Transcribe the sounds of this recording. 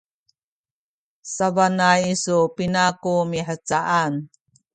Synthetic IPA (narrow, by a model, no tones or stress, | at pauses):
savanajisupinakumiħət͡saʔan